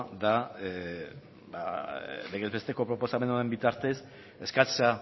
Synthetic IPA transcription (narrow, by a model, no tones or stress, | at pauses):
d̪a | baleɣezβe̞st̪e̞ko̞pɾopo̞same̞noembit̪aɾt̪e̞s | eskat͡sea